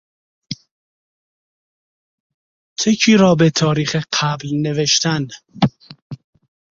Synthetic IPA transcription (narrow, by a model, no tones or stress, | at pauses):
t͡ʃʰecʰiːɾɒːbe̞t̪ʰɒːɾiːxeqʰæblne̞veʃt̪ʰæn